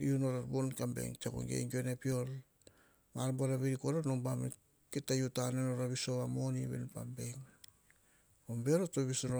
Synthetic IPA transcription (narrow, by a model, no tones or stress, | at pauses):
iunoɾaɾbonkambḛŋt͡ʃa̰ko̰ŋɡḛjŋɡionepio̞l | maɾmbaɾaβeɾikoɾanombam | ketajutanenoɾaβisoβamoniβḛnpambejŋ | ombeɾotoβisoɾo